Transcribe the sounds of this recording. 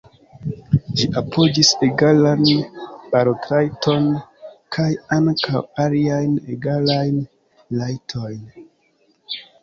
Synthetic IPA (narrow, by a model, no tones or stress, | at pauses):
d͡ʒiʔapʰo̞d͡ʒiseɡalanb̥aɾotɾajtʰo̞nkʰajaŋkawaliajnḛɡalajn | lajtʰo̞jn